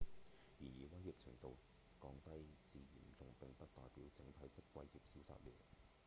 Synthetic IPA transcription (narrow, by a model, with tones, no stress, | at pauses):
jiː˨˩njiː˨˧wɐ˥jhiː˨p̚t͡sʰɪ̰˨˩ŋt̪o˨w | kɔː˧ŋt̪ɐ˥jt͡siː˨˧jḭ˨˩mt͡sʊ˨˧ŋpɪ˨ŋpɐ˥t̚t̪ɔː˨jpiː˨˥wt͡sɪ˨˥ŋt̪ʰɐ˨˥jt̪ɪ˥kːwɐ˧jhi˨p̚siː˨˥wsa̰ː˧t̚lḭː˨˩w